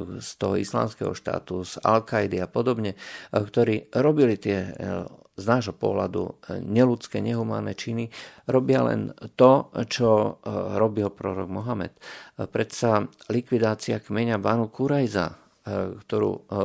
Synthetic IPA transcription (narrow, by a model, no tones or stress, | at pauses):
st̪ɔɦɔ̰isla̰ːmskɛ̰ɦɔ̰ʃt̪a̰ːt̪uza̰lkajd̪iapɔd̪ɔbɲɛkt̪ɔɾiːɾɔbilit̪ɪɛ | znaːʒɦɔpʊɔ̰ɦla̰d̪ṵɲɛlut͡skɛɲɛɦuma̰ːnɛt͡ʃiniɾɔbɪalɛ̰nt̪ɔt͡ʃɔɾɔbilpɾɔɾɔ̰ɡmɔɦamɛ̰t̪pɾɛsalikʋid̪aːt͡siakmɛɲabanukuɾajza̰ | kt̪ɔɾṵː